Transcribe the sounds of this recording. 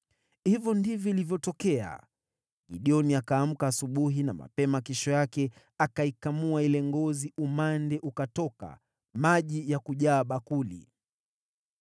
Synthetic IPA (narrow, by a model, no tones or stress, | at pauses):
hivjɔndivjɔilivjɔtɔkɛa̰ | ɠiɗiɔniakaːm̩kaːsuɓuɦina̰ma̰pɛmakɛʃɔjakɛ | akaikamuailɛŋɡɔziʔumandɛʔukatɔka̰ | maʄijakuʄaːɓakulḭ